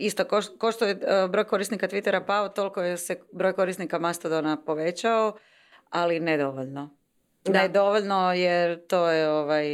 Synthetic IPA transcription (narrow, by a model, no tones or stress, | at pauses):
ist̪okokoʃt̪ojebɾo̞jko̞ɾisnikat̪ʋit̪e̞ɾapaot̪o̞lkojesebɾojko̞ɾisnikamast̪ad̪onapo̞ʋe̞t͡ɕao | alined̪o̞ʋoʎno | d̪ajed̪o̞ʋoʎnojeɾt̪o̞ːjeoʋaj